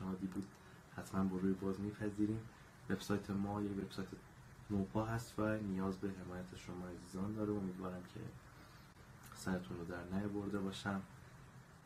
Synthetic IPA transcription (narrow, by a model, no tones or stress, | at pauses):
nhɒːd̪ibuːd̪̥ | hæt̪ʰmænbɒːɾuːjebɒːzmiːpʰæziːɾiːm | ve̞b̥sɒːjt̪ʰe̞mɒːjecveb̥sɒːjt̪ʰe | mobɒːɦæst̪vænijɒːzbe̞ɦe̞mɒːjæt̪ʰeʃomɒːæziːzɒːnd̪ɒːɾeomiːd̪vɒːɾæmcʰe̞̰ | sæɾet̪ʰunrod̪æɾnæjoboɾd̪e̞bɒːʃæn